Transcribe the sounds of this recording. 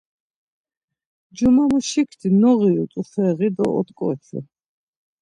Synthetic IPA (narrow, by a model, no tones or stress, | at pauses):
d͡ʒumamuʃikʰd̪ʰinɔʁiɔt̪ʼufɛʁid̪ɔ̰ɔ̰t̪ʼkʼɔt͡ʃʰɛ̰